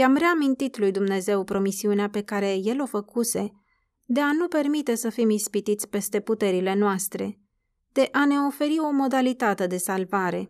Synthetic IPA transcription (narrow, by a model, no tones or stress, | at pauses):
jamre̞amint̪it̪lujd̪umne̞ze̞wpɾo̞misiuneape̞kaɾe̞je̞lo̞fəkuse̞ | d̪e̞anupe̞rmit̪e̞səfimispit̪it̪sʲpe̞st̪e̞put̪e̞ɾile̞noast̪ɾe̞ | d̪̥e̞ʔane̞o̞fe̞ɾio̞mo̞d̪alit̪at̪e̞d̪e̞salvaɾe̞